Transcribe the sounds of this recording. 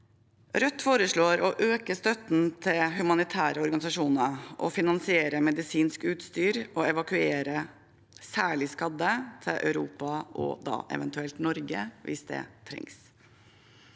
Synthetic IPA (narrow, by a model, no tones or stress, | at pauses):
ɾœt̪ːfoːɾəʂɭoːɾɔʔøːkəst̪œt̪n̩t̪ʰɪlhʉmɑnɪt̪ʰæːɾəɔɾɡɑnɪsɑʂuːnəɾʔɔ̰fɪnɑnsɪeːɾəmɛd̪ɪsiːnskʉːt̪st̪yːɾɔɛʋɑkʉeːɾə | sæːɭɪskɑd̪ːət̪ʰɪlʔœ̰ʉɾuːpɑʔɔ̰d̪ɑ̰ːʔɛ̰ʋɛnt̪ʉɛlt̪nɔɾɡə̰ʋɪ̰sd̪ɛ̰t̪ʰɾɛ̰ŋs